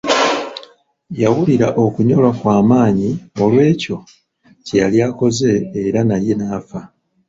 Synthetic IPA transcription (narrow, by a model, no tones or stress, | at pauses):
jawuliɾaʔo̞kuɲo̞lwakwaːmaːɲiolwe̞ːco̞ | cejaljaːko̞ze̞ːɾanaje̞naːfa